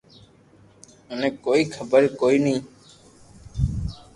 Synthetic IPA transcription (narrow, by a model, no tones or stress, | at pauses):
ənẽːkoːiːkʰəbəɾkoːiːnĩː